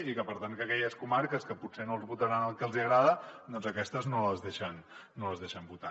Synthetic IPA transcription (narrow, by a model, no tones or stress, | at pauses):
ikəpəɾt̪aŋkəkɛʎəskumaɾkəskəpusenolˠzβut̪əɾanəlˠkəlˠziəɣɾaðəd̪ɔnzəkɛst̪əznoləzðeʃənː | oləzðeʃəmbut̪a